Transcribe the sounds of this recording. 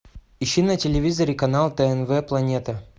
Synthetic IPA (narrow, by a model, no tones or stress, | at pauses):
ɪɕinətʲɪlʲɪvʲizɐɾʲɪkɐnalˠt̪ɛɛnvɛplˠɐnʲet̪ə